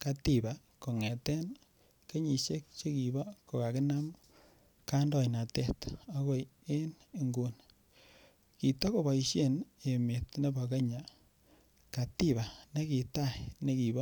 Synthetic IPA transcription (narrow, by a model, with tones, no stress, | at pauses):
ka˨ti˨ba˨ | ko˨ŋɛ˨tɛ˦n | ke˦ɲi˨ʃe˦k̚t͡ʃe˦ki˨bɔ˦ko˨ka˨kɪ˦na˦m | ka˦ndɔ˨jna˨te˦ta˦ko˦j | e˦ne˨ŋɡu˦n | ki˨to˦ko˨ba˨i˨ʃe˦ne˨mɪ˨t̪ne˦ba˨ke˦ɲa˨ | ka˨ti˦βa˨ne˦ki˨ta˦ne˦ki˨bɔ˦